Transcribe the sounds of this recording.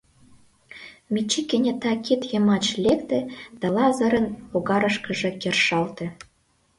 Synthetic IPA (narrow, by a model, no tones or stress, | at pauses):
mʲit͡ɕikʲenʲĕt̪ɑkit̪jɤ̆mɑt͡ɕlʲekt̪ĕd̪̥ɑlɑzɤ̆ɾə̆noɣɑɾɤ̆ʃkɤ̆ʒĕkerʃɑlt̪ĕ